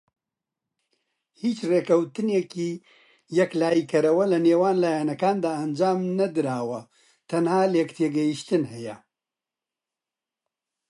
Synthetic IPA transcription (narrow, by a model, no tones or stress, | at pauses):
hiːt͡ʃreːkɐwt̪ɨneːkiː | jɛklaːjikʰɐɾɐwɐlɐneːwaːnlaːjanɐkaːnd̪aːʔɐnd͡ʒaːmnɐd̪ɨɾaːwɐ | t̪ʰɐnhaːljekt̪ʰeːɡɐjiʃt̪ɨnhɛjɐ̰